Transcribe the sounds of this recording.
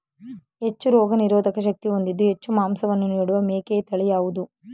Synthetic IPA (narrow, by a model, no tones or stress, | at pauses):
ɦet͡ʃːuɾɔːɡɐniɾɔːd̪ʱɐkɐʃ̬ɐk̚t̪io̞nd̪id̪ːuɦe̞t͡ʃːumaːmsɐʋɐnːuniːɽuʋɐmeːkeːt̪ɐɭijaːʋud̪u